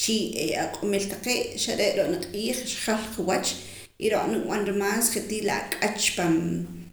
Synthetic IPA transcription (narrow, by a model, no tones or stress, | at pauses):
t͡ʃieakʼumilt̪aqeːʔʃaɾeʔɾoʔʼnaqʼiːχʃχalqiwat͡ʃ | ʔiɾoʔʼnikɓanɾimaːsχet̪iːla̰kʼat͡ʃpam